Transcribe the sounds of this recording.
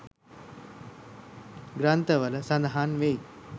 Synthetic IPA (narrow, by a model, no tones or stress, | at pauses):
ɡɾaːnt̪ɐʋɐlɐsɐ̃nd̪ɐɦaːnʋeːj